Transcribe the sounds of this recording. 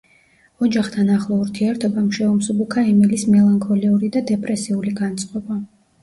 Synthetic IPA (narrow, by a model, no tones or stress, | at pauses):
ɔd͡ʒaχt̪ʰanaχlˠɔuɾt̪ʰiɛɾt̪ʰɔbamʃɛɔmsubukʰaɛmɛlismɛlˠaŋkʰɔliuɾid̪ad̪ɛpʼɾɛsiuliɡant̪sʼqʼɔba